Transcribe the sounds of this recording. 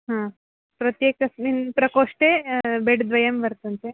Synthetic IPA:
ɦã | pɾɐt̪jeːkɐsminpɾɐkoːʂʈeːbeɖd̪ʋɐjɐmbɐɾt̪unt̪e

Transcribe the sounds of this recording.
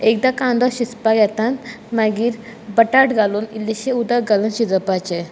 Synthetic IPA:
ek̚d̪akãnd̪ɔɕispaɡɛt̪ãn | maɡiːɾ | bəʈaʈɡaluːnilːeɕeud̪aɡalənɕid͡z̪əpat͡ɕe

